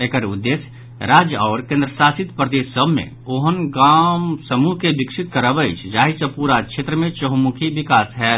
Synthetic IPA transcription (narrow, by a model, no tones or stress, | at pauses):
ekəɾʊd̪ːeːs | ɾaːd͡ʒjɔːɾkẽːnd̪ɾəsaːsɪt̪pɾəd̪eːʃːəbʱmḛ̃ | oɦənɡaːmsəmuɦkebɪkʃɪt̪̚kəɾəbəɪt͡ʃʰd͡ʒaːɦisəpuɾakʰeːt̪ɾəmẽt͡ʃəɦmukʰiʋɪkaːsɦɛː